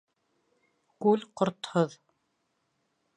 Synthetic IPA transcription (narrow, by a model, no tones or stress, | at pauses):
kʉlqŏɾt̪hoð